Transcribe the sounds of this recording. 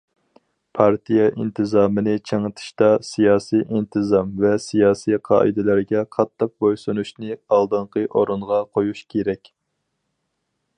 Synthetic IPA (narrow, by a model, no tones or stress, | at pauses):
pʰɑɾt̪ʰijɛʔint̪ʰɨzɑːmɨnɨt͡ʃʰeŋət̪ʰɨ̥ʃt̪ɑsijɑːsijʔint̪ʰɨzɑmvɛsijɑːsijqʰɑ̰ːʔɨ̰d̪ɪlæɾɡʲɛqʰɑt̪ʰːɨq̚bojsɨnuʃnɨɑlˠd̪ɨɴqəʔoɾɨnʁɑqʰojuʃkʲʰeɾɛkʲ